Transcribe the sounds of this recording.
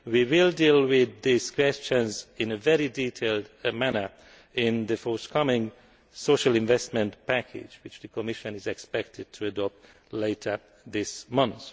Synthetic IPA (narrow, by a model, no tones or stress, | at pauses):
wiwɪlˠdilˠwɪðiskʰw̥ɛst͡ʃə̃nzɪ̃nɨvɛɹiditʰeɪlˠdmænə˞ | ɪ̃nðɨfɔɹθkʰʌmɪ̃ŋ | soʊʃəlɪ̃ɱvɛst̚mɨ̃ntpʰækʰɪ̰d͡ʒwɪt͡ʃðɨkʰɔmɪʃɨ̃nɪzɛkspɛk̚tʰɨd̚tʰɨɨdɔp̚t | leɪtʰə˞ | ðɪsmʌ̃nθ